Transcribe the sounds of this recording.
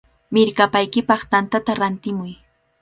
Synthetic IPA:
mɪɾkapajkɪpɑχt̪ant̪at̪aɾant̪ɪmʊj

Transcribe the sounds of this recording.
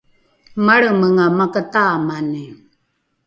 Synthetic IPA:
maɭəməŋamakətamani

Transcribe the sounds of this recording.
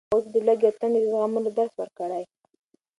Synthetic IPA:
osd̪əlaɡat̪aned̪əzɣamunod̪aɾswəɾkəɽaj

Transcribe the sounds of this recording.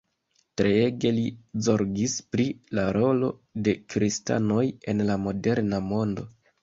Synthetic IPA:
tɾeeɡe̞lizo̞ɾɡispɾilaɾo̞lo̞de̞kɾista̰no̞je̞nlamo̞de̞ɾnamo̞ndo̞

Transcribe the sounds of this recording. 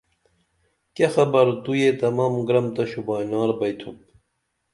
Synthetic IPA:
kexɐbɐɾd̪ujet̪ɐmɐmɡɾɐmt̪ɐɕubɑːjnɑːɾbɐjt̪ʰup

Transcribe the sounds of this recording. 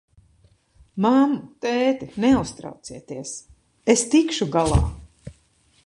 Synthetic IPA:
mamt̪ɛːt̪inɛust̪ɾa̰wt̪siɛt̪iɛs | est̪ikʃuɡalˠa̰ː

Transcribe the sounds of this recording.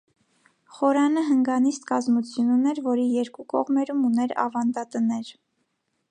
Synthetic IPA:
χɔɾɑnəɦəŋɡɑnist̪kɑzmut͡sʰjununɛɾvɔɾijɛɾkukɔ̰ʁmɛɾumunɛɾɑ̰vɑnd̪ɑt̪ənɛɾ

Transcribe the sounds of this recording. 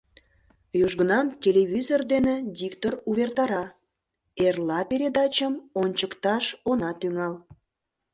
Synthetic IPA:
joʒɣənɑmtʲelʲeβʲizord̪enedʲikt̪oruβert̪ɑɾɑ | erlɑpeɾʲed̪ɑt͡ɕəmonʲt͡ɕəkt̪ɑʃonɑt̪yŋɑl

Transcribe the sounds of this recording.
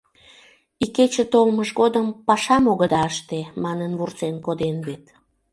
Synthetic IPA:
iket͡ɕə̆t̪olməʒɣod̪əmpɑʃɑmoɣəd̪ɑəʃt̪emɑnənβurt͡senkod̪enβet̪

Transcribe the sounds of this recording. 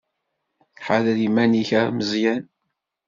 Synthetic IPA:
ħaðlimæniçəɾməzjæn

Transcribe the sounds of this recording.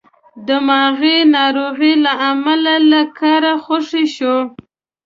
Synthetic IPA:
d̪əmɑɣinɑɾoɣilaamalalakʰɑɾaxoʂiʃo

